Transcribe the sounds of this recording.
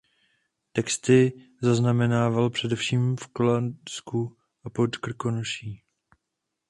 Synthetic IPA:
t̪ɛkst̪ɪ | zaznamɛnaːvalpr̥ɛdɛfʃiːmfkolansku | ʔapot̪kr̩ko̞noʃiː

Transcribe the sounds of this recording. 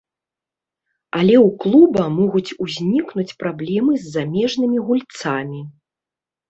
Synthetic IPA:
alʲɛwklˠubɐmɔɣut͡sʲuzʲnʲiknut͡sʲpɾablʲɛmɨzʲːamʲɛʐnɨmʲiɣulʲt̪samʲi

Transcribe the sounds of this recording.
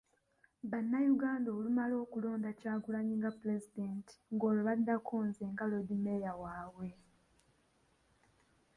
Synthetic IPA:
βanːajuɡaːndolumalo̞ːkulo̞ːndacaːɡulaɲiŋɡaple̞zidenti̥ŋɡo̞ːloβadːakʰoːnzeːŋɡalodime̞jawaːwe̞

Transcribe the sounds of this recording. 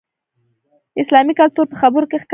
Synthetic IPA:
ɪslɑmikalt̪uɾpəxabəɾokexk

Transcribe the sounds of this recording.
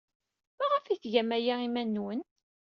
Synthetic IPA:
mæʁəfiθʝæmæjaimænːwən

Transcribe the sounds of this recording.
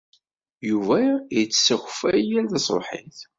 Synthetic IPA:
juvæjət͡sːsəxfæjælðɑsˤo̰ħḭθ

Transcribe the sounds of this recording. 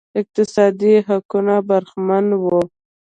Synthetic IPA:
ɪq̚t̪ɪsɑd̪iɦakunabaɾxmanwo

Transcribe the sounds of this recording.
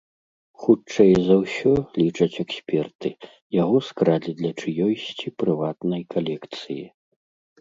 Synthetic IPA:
xut͡ʂɛjzɐwsʲɔlʲit͡ʂɐt͡sʲɛksʲpʲɛrt̪ɨ | jaɣɔskɾalʲid̪lʲɐt͡ʂɨjɔjsʲt͡sʲipɾɨvat̪nɐjkʰalʲɛkt̪sɨji

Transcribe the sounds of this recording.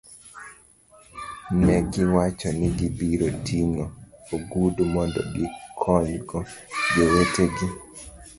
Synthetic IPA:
nɛɡɪwat͡ʃɔnɪɡɪbiɾotʰinooɡudmɔndɔ̰ɡɪkʰɔɲɡɔd͡ʒeweteɡɪ

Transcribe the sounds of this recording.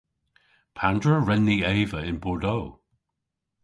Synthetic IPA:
pʰandɹəɹɛnːieːvəɪ̃nbɔɹdoː

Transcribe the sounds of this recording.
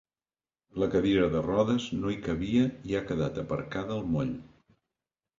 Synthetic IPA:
ləkəðiɾəðərɔðəznoikəβiəiakəðat̪əpə̰ɾkaðəːlˠmoʎ

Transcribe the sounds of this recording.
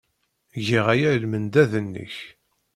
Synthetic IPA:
ʝiʁæjælmənd̪æðənːə̰ç

